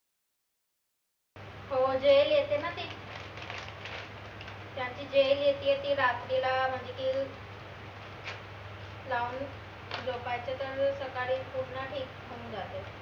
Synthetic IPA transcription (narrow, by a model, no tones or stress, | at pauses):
hod͡ʑejljet̪enat̪iː | t̪jaɲt͡ɕiːd͡ʑeljet̪iːjet̪iːɾat̪ɾilam̤əɳd͡ʑekiː | lauːn | d͡zopajt͡ɕet̪əɾsəkaɾiːpuɽnaʈʰiːkm̤õũːnd͡zat̪e